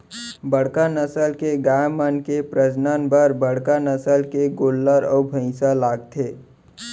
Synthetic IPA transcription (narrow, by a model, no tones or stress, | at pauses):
bəɽkanəsəlkeɡaːjmənkepɾəd͡ʒnanbəɾbəɽ̤kanəsəlkeɡoːlːəɾɔ̰ːbʱə̃ɪ̃salaːɡ̚t̪ʰeː